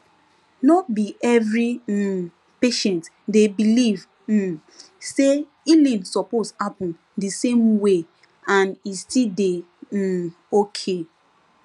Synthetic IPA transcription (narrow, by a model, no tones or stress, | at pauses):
nɔt̚biʔɛvɹi | peʃɛ̃nt | debiliv̩ | se | ilĩnsɔposhapɔ̃n | disẽmwe | ãnistide | okʰe